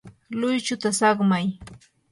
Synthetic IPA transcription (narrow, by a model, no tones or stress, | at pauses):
lʊjt͡ʃʊt̪asɑχmaj